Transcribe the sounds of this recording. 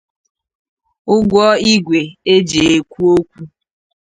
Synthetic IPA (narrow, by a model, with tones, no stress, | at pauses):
ʊ˦ɡʷɔ˦i˦ɡʷe˨e˦d͡ʒe˨e˨kʷu˦o˦kʷu˦